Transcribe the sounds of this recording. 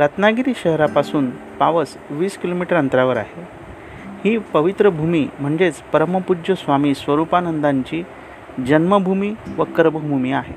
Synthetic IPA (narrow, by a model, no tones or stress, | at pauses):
ɾət̪naɡiɾiːɕəɦɾapasuːnpaʋəs | ʋiːskilomiʈəɾənt̪ɾaʋəɾa̰ɦe | hiːpəʋit̪ɾəbʱumiːm̤əɳd͡ʑet͡spəɾəməpud͡ʑəsʋamiːsʋəɾupanənd̪aɲt͡ɕiː | d͡ʑənməbʱumiːʋəkəɾbəbʱumiaɦe